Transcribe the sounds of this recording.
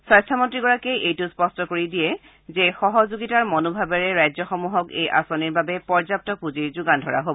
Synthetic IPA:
sajstʰamɔntɹiɡɔɹakeʔejtʊspɔstɔkoɹidijɛ | zexɔɦɔzuɡitaɹmɔnobʱabɛɹɛɹajzɔxɔmuɦɔkḛjʔa̰soniɹbabɛpɔɹzap̚tɔpuziɹzuɡandʱɔ̰ɹa̰ɦobɔ

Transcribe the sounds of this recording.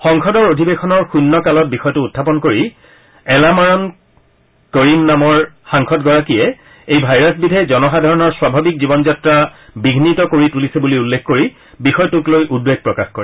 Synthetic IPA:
xɔŋxɔdɔɹodʱibexɔnɔɹxunːɔkalɔt̚bixɔjɔtʊːtʰːapɔnkoɹi | ɛlamaɹɔn | koɹinːamɔɹxaŋkʰɔtɡɔɹakijɛ | ejbʱajɹasbidʱɛzɔnɔxadʱaɹɔnɔɹswabʱabik̚zibɔnzatɹabiɡʱnitɔkoɹitulisebuliulːekkoɹi | bixɔjtʊklojʔudbeɡ̚pɹɔkaxkɔɹɛ

